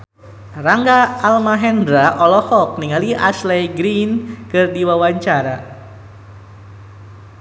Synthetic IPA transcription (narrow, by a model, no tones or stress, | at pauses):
raŋɡaːlmaɦɛndɾaʔɔlɔhɔk̚niŋaliʔaslɛjɡɾinkɨrdiwawaɲt͡ʃaɾa